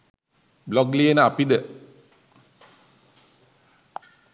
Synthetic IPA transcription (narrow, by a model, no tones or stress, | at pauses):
blɔɡlijənəapid̪ə